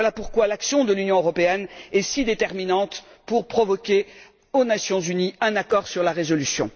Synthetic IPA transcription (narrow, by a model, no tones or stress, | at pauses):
walapuʁkwalaksjɔ̃d̪əlynjɔ̃øʁɔpeɛnɛsid̪et̪ɛʁminɑ̃t̪ | puʁpχɔvɔkʲe | onasjɔ̃zyniɛ̃nakɔʁsyʁlaʁezɔlysjɔ̰̃